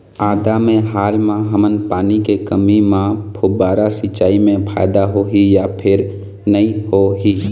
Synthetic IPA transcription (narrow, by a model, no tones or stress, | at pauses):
aːd̪amẽɦaːlmãɦəmənpaːnikekəmimãpʰʊbaːɾasit͡ʃːaːimẽpʰa̰ːɪd̪aɦoɦijapʰɪɾ | nəĩɦoɦi